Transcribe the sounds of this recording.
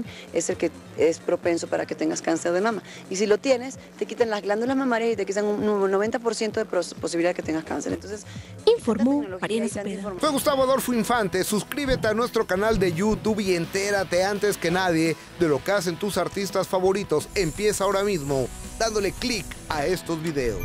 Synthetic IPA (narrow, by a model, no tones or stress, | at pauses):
e̞selke̞ | espɾo̞pe̞nso̞paɾa̰ke̞t̪eŋɡaskanseɾðemama | isilo̞t̪je̞ne̞s | t̪e̞kit̪anlazɣland̪ulazmamaɾjasit̪ekit̪anunːoβe̞nt̪apo̞ɾsjent̪o̞ðepos̬iβiliaðeket̪eŋɡaska̰nseɾḛnt̪o̞nses | iɱfoɾmoeknoloɾesaifomfweɣust̪aβoaðo̞ɾfuiɱfant̪e̞suskɾiβe̞t̪eanwe̞st̪ɾo̞kanald̪e̞ʝut̪uβie̞nt̪e̞ɾat̪e̞ant̪eske̞naðje̞ | ðe̞lo̞keas̬e̞nt̪usaɾt̪ist̪asfaβo̞ɾit̪o̞se̞mpje̞sao̞ɾamizmo̞d̪and̪o̞le̞klikae̞st̪o̞zβiðe̞o̰s